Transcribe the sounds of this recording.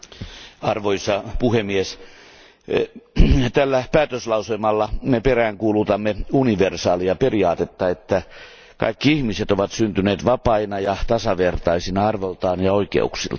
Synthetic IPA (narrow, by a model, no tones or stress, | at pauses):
ɑrʋoisɑpuhemies | t̪ælːæpæːt̪øslɑuselmɑlːɑmeperæːŋkuːlut̪ɑmːeuniʋersɑːliɑperiɑːt̪et̪ːɑet̪ːæ | kɑ̰ikːiihmiset̪oʋɑt̪synt̪yneːt̪ʋɑpɑinɑjɑt̪ɑsɑʋert̪ɑisinɑɑrʋolt̪ɑːnjɑoikḛṵksḭlt̪